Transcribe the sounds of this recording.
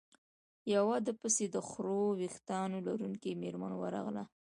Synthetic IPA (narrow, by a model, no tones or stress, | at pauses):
jawɑd̪əpəsed̪əxɾowixt̪ɑnolaɾuŋkimeɾmanowaɾɑ̰ɣla̰